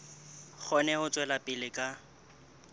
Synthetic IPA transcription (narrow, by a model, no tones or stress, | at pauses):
k͡xʰɔnɛhʊt͡sʼwɛlapʼɪlɪkʼa